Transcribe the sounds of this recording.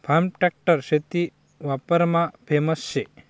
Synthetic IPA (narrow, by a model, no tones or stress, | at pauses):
pʰamʈak̚ʈəɾʃet̪i | ʋapəɾmãbʱemɐsʃe